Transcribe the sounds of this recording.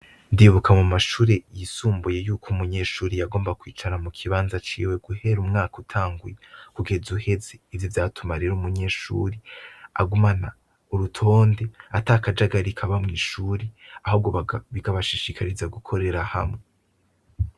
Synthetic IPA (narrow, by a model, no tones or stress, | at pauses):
ndiβukʰamumaʃuːɾejisuːmbuje̞juːkʰomuɲe̞ːʃuːɾejaɡo̞ːmbakwiːt͡ʃanamukʰiβaːnzat͡ʃḭːwe̞ɡ̥uhe̞ɾumŋaːkutʰaːŋɡujekuɡe̞zuhe̞ze̞ivjovjaːtʰumaɾeɾumuɲe̞ːʃṵːɾea̰ɡumana | uɾutʰo̞ːnde̞atakad͡ʒaɡaɾikʰaβamŋiːʃuːɾeahub̚ɡoβaβiɡaβaʃiʃikʰaɾizaɡukʰo̞ɾe̞ɾaha̰mŋe